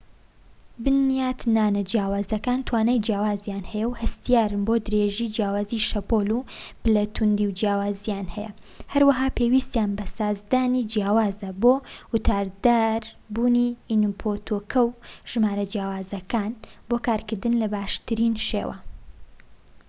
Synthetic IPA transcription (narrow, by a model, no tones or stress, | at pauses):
bɨnːijaːt̪naːnɐd͡ʒjaːwaːzɐkaːnt̪ʰwaːnaːjd͡ʒjaːwaːzjaːnhɛjɐwhɐst̪ijaːɾɨnbod̪ɨɾeːʒiːd͡ʒjaːwaːziʃɐpolub̥ɨlɐt̪ʰund̪iwd͡ʒjaːwaːzijaːnhɛjɐ̰ | hɐɾwɐɦaːpʰewist̪ijaːnbɐsaːzd̪aːnid͡ʒjaːwaːzɐboːwɨt̪ʰaːɾd̪aːɾ | buːniinupʰot̪ʰoːkʰɐwʒ̥ɨmaːɾɐd͡ʒjaːwaːzɐkaːnboːkaːɾkɨɾd̪ɨnlɐbaːʃt̪ɨɾiːnʃḛwʔɐ̰